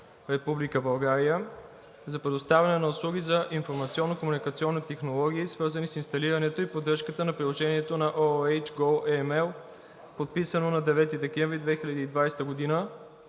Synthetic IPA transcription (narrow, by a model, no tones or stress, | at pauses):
ɾɛpublikəbɐlˠɡaɾiə | zɐpɾɛd̪ost̪avʲɐnɛnɐʊslˠuɡ̟izɐʔinfoɾmɐt̪siɔnːokomunikɐt̪siɔnːit̪ɛxnolˠɔɡ̟ʲiːsvɤɾzənisinst̪ɐliɾɐnɛt̪oipod̪ɾɤʃkət̪ənɐpɾilˠoʒɛniɛt̪onɐʔoɛjt͡ʃɡɔlˠɛmɛlˠ | pot̪̚pisənonɐd̪ɛvɛt̪id̪ɛkɛ̃ɱvɾid̪vɛxilʲəd̪iːd̪vajst̪əɡod̪inə